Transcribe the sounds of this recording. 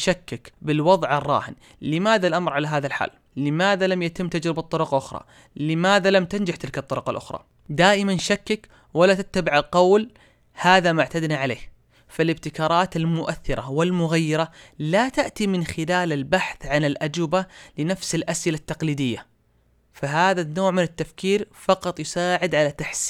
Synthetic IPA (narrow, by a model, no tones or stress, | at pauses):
ʃakːɪkbɪlwɑðˤʕɑrˤːɑ̰ːhɪn | lɪmaːðalʔamɾʕalaɦaːðalħa̰ːlːɪmaːðalamjat̪ɪmːt̪ad͡ʒɾɪbɑt̪ˤːʊɾʊqɑʔʊxɾˤɑ̰ | lɪmaːðalamt̪and͡ʒaħt̪ɪlkɑt̪ˤːʊɾʊqɑlʔʊ̰xɾˤɑ̰ː | d̪aːʔɪmanʃakːɪk | walːat̪at̪ːabɪʕalqɑwl | haːðamʊʕt̪ad̪naʕaleːh | falɪb̚t̪ɪkɑːɾˤɑːt̪almʊʔaθːɪɾˤʔawɪlmʊɣajːɪɾˤalat̪aʔt̪imɪnxɪlaːlalbaħθʕanɪlʔad͡ʒwɪbalɪnafsɪlʔasʔɪlat̪ːɑqliːd̪ɪjːa | faɦaːðanːoːʕmɪnɪt̪ːafkiːɾfɑqɑt̪ˤjʊsaːʕɪd̪ʕalat̪aħs